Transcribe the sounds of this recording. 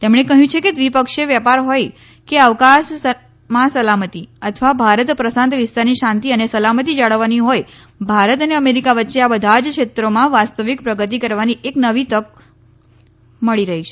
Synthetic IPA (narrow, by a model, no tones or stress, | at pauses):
t̪emɳekəɦjũt͡ʃʰeked̪ʋipəkʃeʋjapaɾɦoj | keəʋkas | mãsəlamət̪iət̪ʰəʋabʱaɾət̪pɾəsãnt̪ʋɪst̪aɾniʃãnt̪iənesəlamət̪̬id͡ʒaɭəʋːaniɦoj | bʱaɾət̪əneəmeɾikaʋətːʃeabəd̪ʱad͡ʒkʃet̪ɾomãʋast̪əʋikpɾəɡət̪̬ikəɾʋaniʔeknəʋit̪ək̚ | məɭiɾəɦit͡ʃʰe